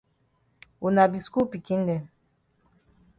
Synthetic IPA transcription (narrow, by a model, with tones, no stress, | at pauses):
u˨na˨bi˨sku˦pi˨ki˦n̩˦dɛ˨